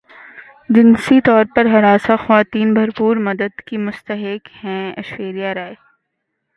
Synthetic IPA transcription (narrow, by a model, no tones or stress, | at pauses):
d͡ʒɪnsit̪ɔːɾpɐɾɦɐɾaːsaxɐʋaːt̪iːnbʱɐɾpuːɾmɐd̪əd̪kimʊst̪əɦɪkhɛ̃ɐ̰ʃweːɾijaɾaːe